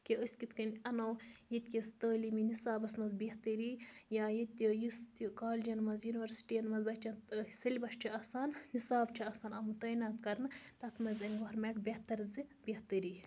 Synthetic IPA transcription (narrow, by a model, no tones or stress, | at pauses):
kiəsʲkit̪ʰkɐnʲɐnowjit̪ʲkʲɐst̪ɐːliːminisaːbɐsmɐzbiht̪əɾiːjaːjit̪ʲijust̪ikaːlʲd͡ʒɐnmɐzjuniʋɐɾsi̥ʈiːɐnmɐzbɐʃt͡ʃʲɐnt̪sɐlʲibɐʃt͡ʃʰiɐsaːnːisaːbt͡ʃʰiɐsaːnɐmt̪ɐːnaːt̪kɐɾnɨt̪ɐt̪ʰmɐzʲɐnʲɡɐɐɾmeːʈbeht̪ɐɾzɨbeht̪əɾiː